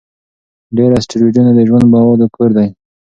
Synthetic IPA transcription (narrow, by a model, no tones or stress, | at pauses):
ɖeɾasʈɪɾid͡ʒunad̪əʒwand̪̚bɑwaɾd̪əkoɾd̪aj